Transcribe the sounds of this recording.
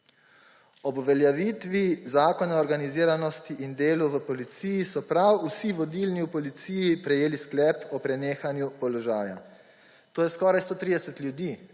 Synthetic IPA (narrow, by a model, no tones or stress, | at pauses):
ɔbʋɛljaʋiːt̪ʋizaːkɔnaɔɾɡaniziːɾanɔst̪iʔind̪eːluʋəpɔlit̪sijisɔpɾawusiʋɔd̪ilniwpɔlit̪siːjipɾɛjeːlisklɛːpɔpɾɛneːxanjupɔlɔʒaːja̰ | t̪oːjɛskɔːɾajst̪oːt̪ɾiːd̪ɛsɛt̪lʲjud̪iː